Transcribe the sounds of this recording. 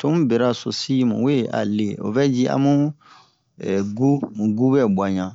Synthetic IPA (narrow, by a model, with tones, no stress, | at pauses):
to˦mũ˦bɛ˨ɾa˦so˨si˦mṵ̃˨we˦˨ʔa̰˨le˨o̰˨bɛ˦d͡ʒi˦ã̰˦mũ˦ | ɛ˨ɡu˦˨ɡu˦bɛ˦bwa˨ɲã˨